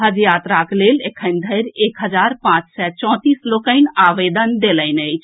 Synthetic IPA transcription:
ɦəd͡ʒjat̪ɾaklelekʰənd̪ʱəjɾekɦəd͡ʒaɾpãt͡ʃsɛt͡ʃɔ̃t̪islokəɪnaʋed̪ənd̪eləɪnəɪt͡ʃʰ

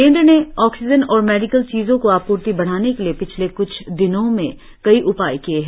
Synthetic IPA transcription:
kẽːnd̪ɾneɔːksɪd͡ʒənɔːɾmɛːɖɪkəlt͡ʃiːzõkoaːpːuːɾt̪ibɐɽ̤aːnekeliepɪt͡ʃʰlekʊt͡ʃʰd̪ɪnõmḛ̃ | kɐiʔʊpaːikieɦɛ

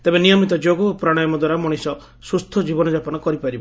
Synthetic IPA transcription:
t̪ebenijɔmit̪ɔd͡ʒoɡɔːpɾaɽ̃ɔjɔmɔd̪waɾamɔɽ̃isɔ | sust̪ʰɔd͡ʒibɔnɔd͡ʒapɔnɔkɔɾipaɾibɔ

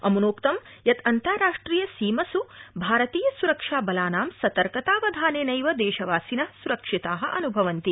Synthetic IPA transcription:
ɐ̰munoːkt̪ɐm | jɐt̪ʰɐnt̪ɐɾaːʂʈɾiːjɐsiːmɐsubʱaːɾɐt̪iːjɐsuɾɐkʂaːbɐlaːnaːmsɐt̪ɐɾkɐt̪aːʋɐd̪ʱaːneːnɐjʋɐd̪ɛːʃɐʋaːsinɐsuɾɐkʂit̪aːɦɐ̆ʔɐnubʱɐʋɐnt̪i

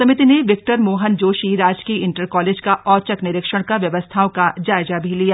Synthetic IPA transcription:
ɐmɪt̪ineʋɪk̚ʈəɾmoːɦənd͡ʒoːʃiɾaːd͡ʒkiɪ̃ɳʈəɾkɔːleːd͡ʒkaʔɔːt͡ʃəknɪɾɪkʃəɽ̃kaʋjɐʋəst̪ʰaõkad͡ʒaːɪzabʱilija

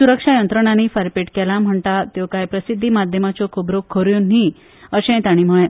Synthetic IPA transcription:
suɾəkʂajənt̪ɾəɽ̃anifaɾpeʈkɛlam̤əɳt̪at̪jokajpɾəsid̪ʱːimad̪ʱjəmat͡ɕokʰubɾokʰːəɾjonɦĩ | əɕẽt̪aɽ̃im̤əɭẽ

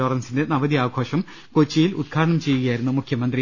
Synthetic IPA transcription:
oːrɐnsinde̞nɐʋɐðijaːɡʱo̞ːɕɐm | kot͡ɕːijilṵd̪̚kʰaːɾɐɳɐmt͡ɕe̞jːuɣɐjaːjiɾunːumukʰjɐmɐnd̪ri

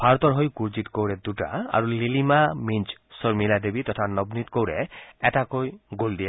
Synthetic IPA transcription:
bʰʱaɾɔt̪ɔɾɦojkuɾd͡ʒit̪kowɾed̪uʈa̰a̰ɾulilimamint͡ʃsɔɾmilad̪ebit̪ɔt̪ʰanɔbnit̪kowɾeɛʈakojɡold̪ie

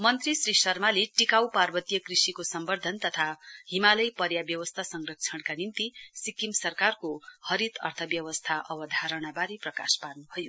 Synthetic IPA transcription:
mʌnt̪risrisʌrmaleʈikawparbʌt̪ijʌkrisikosʌmbʌrd̪ʱʌnt̪ʌt̪ʰaɦimalʌjpʌɾjabjʌwʌst̪ʰasʌŋrʌk̚t͡sʰʌɳkanint̪isikimsʌrkarkohʌɾit̪ʌ̰rt̪ʰʌbjʌwʌst̪ʰaʔʌbʌd̪ʱaɾʌɽ̃abaɾiprʌkasparnubʱʌjo

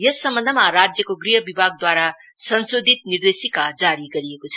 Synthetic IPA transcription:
jʌsːʌmːʌnd̪ʱəmaɾad͡zjʌkoɡriɦʌbibʱaɡ̚d̪waɾa | sʌnsod̪ʱit̪̚nird̪esikad͡zaɾiɡʌɾijekot͡sʰʌ

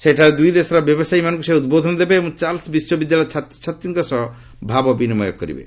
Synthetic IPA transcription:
seʈʰaɾed̪ujd̪esɔɾɔbjɔbɔsajmanɔ̃ŋkusajud̪̚bod̪ʱɔnɔd̪ebeːmũt͡ʃalsbiswɔbid̪jalat͡ʃʰat̪t͡ʃʰat̪jiŋkɔsɔɦɔ | bʱabɔbinimɔjɔ̰k̚ːɔ̰ɾḭbḛ

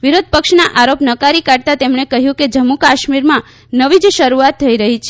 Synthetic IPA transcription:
ʋiɾod̪̚ʱpəkʃnaʔaɾopnəkaɾikaɽ̚t̪at̪emɳekəɦjũked͡ʒəmːukaʃmiɾmã | nəʋid͡ʒʃəɾuat̪ʰːəiɾəɦit͡ʃʰ

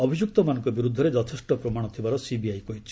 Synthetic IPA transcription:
ɔbʱid͡ʒuk̚t̪ɔmanɔ̃ŋkɔbiɾud̪ʱːɔɾed͡ʒɔt̪ʰesʈɔpɾɔmaɽ̃ɔt̪ʰibaɾɔsibiajkoit͡ʃʰi̥

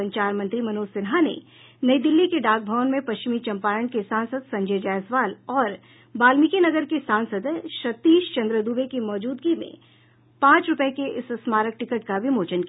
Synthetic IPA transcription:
ə̃ɲt͡ʃaːɾmɐ̃nt̪ɾimɐnoːsɪnɦanḛ | nɐid̪ɪlːikeɖaːk̚bʱəʋnmẽpɐʃt͡ʃɪmit͡ʃɐ̃mpaːɾəɳ̃kesãːnsəd̪sɐ̃ɲd͡ʒeːd͡ʒaːjsʋaːlɔːɾ | baːlmɪkenɐɡəɾkesãːnsəd̪ʃɐt̪ːiːʃt͡ʃɐ̃nd̪ɾəd̪uːbekimɔːd͡ʒuːd̪ɡimḛ̃ | pãːt͡ʃɾʊpəekeʔɪssmaːɾək̚ʈɪkəʈkabʱimoːt͡ʃənki

